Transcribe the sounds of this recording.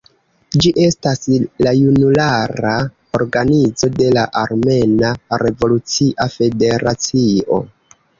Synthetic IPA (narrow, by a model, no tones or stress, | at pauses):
d͡ʒiʔe̞staslajunulaɾa | o̞ɾɡanid͡zo̞de̞laʔaɾme̞naɾʔe̞vo̞lut͡siʔafe̞de̞ɾat͡sio̞̰